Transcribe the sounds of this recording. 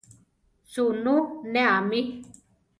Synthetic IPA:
sununeami

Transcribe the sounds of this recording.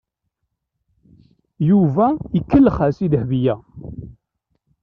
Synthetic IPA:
juvæikːəlːχæsid̪hvijæ

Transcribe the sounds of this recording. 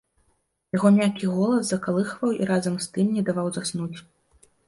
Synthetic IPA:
jaɣɔmʲakʲiɣɔlˠɐszɐkalˠɨxvɐwḭɾazɐmst̪ɨmnʲɛd̪avawzasnut͡sʲ

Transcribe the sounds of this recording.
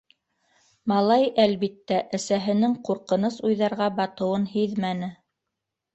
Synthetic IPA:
mɑlˠɑjælβit̪ːæʔæsæɦɘ̆nɘŋquɾqɤ̆nɤsujðɑɾʁɑbɑt̪ɤ̆wɤnhiðmænɘ

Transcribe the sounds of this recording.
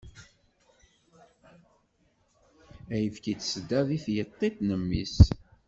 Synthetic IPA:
æjəfkit͡sːsəd̪ːæðˤiθjət̪ˤːet̪nəmːḭs

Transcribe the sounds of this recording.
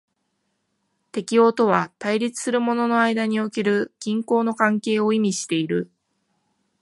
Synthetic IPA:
t̪e̞kʲio̞ːt̪o̞β̞at̪aiɾʲit͡sɨ̥sɨɾɯ̟mo̞no̞no̞aid̪aɲ̟io̞keɾɯ̟kʲĩŋko̞ːno̞kãŋke̞ːoimʲiɕi̥t̪e̞iɾɯ̟

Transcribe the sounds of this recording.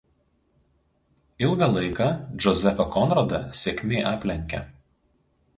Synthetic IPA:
ɪlˠɡɐlˠɐɪkɑˑʒɔzʲɛfɐkɔnɾɐd̪ɐsʲeːkʲmʲeːʔɑːpʲlʲɛŋʲkʲɛ̰

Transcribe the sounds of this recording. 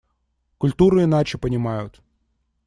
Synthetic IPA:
kʊlʲt̪uɾɨinat͡ʃɪpɐnʲɪmajʊt̪

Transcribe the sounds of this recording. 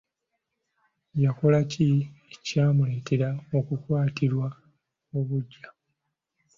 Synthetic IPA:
jako̞laciecaːmule̞ːte̞ɾao̞kukwaːtiɾwa | oβuɟːa

